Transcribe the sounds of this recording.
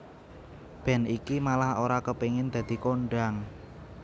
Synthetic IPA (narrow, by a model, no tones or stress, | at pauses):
b̥ɛ̤nikimalahoɾakəpeŋɪnd̪̥ä̤d̪̥i̤koɳɖaŋ